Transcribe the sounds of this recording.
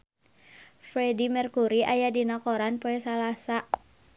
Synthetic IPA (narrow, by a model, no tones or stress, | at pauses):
fɾɛdimɛrkuɾiʔajadinɔkɔɾanpoɛsalasa